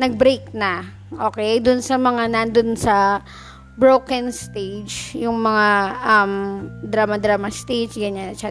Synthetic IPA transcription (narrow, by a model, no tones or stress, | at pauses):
nɐɡ̚bɾejk̚nɐ | ʔoːkɛjd̪ʊnsɐmɐŋanand̪onsɐ | bɾowkɛnst̪ejd͡ʒjʊŋmɐŋaʔɐmd̪ɾamɐd̪ɾaːmast̪id͡ʒɡɐɲanɐt͡ʃa